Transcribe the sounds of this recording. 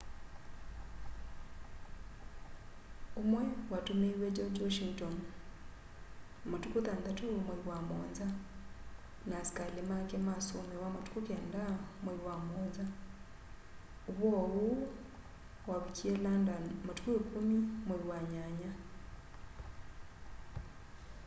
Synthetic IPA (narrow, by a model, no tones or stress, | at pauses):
omwɛwatomewed͡ʒod͡ʒwoʃiŋton | motukotaːndatoomweiwamo̰nza | nasi̥kalemakemasomewamotu̥kukɛndamweiwamonza | oβwɔβu | waβikielandamotu̥kuekumimwewaɲaɲa